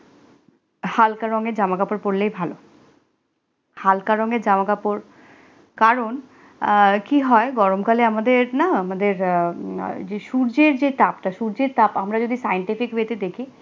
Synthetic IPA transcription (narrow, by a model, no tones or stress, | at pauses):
halkaɾɔŋɡeɾd͡ʑamakapoɾpoɾlejbʱalo | halkaɾɔŋed͡ʑamakapoɾ | kaɾon | kiɦɔeɡɔɾomkaleamad̪eɾnaamad̪eɾ | d͡ʑeʃuɾd͡ʑeɾd͡ʑet̪apʈaʃuɾd͡ʑeɾt̪apamɾad͡ʑod̪ʱisajeɳʈifikbet̪ed̪ekʰi